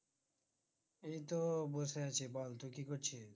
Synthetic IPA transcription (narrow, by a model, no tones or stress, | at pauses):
ejt̪oboseat͡ɕʰibɔlt̪ukikoɾt͡ɕʰi